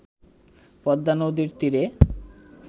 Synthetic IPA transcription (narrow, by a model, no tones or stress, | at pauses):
pɔd̪ːanod̪iɾt̪iɾe